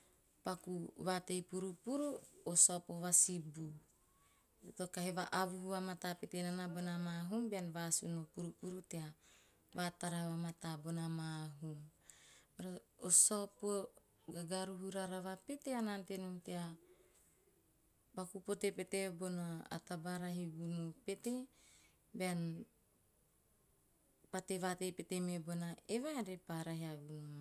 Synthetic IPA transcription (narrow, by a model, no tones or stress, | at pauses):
pakuβate̞jpuɾupuɾuosopoβasibu | tokaɦeβaʔaβuhuβamatapetenanabonamaɦumbeanβasunopuɾupuɾutea | βataɾaβamatabonamaɦum | aɾoosopo | ɡaɡaɾuɦuɾaɾaβape̞teanante̞nutea | bakupo̞tepe̞tebo̞naa̰tabaɾaɦiɡunupe̞te̞ | bean | pate̞βate̞pe̞te̞mebo̞naeβaɾepaɾaɦiaɡunu